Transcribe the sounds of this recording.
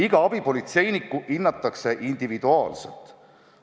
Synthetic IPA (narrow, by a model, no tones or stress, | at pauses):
iɡ̥ɑɑb̥ipo̞lit̪se̞jnikːuʔinːɑt̪ːˑɑkse̞ʔind̪̥ivid̪uɑːlsḛlt̪ˑ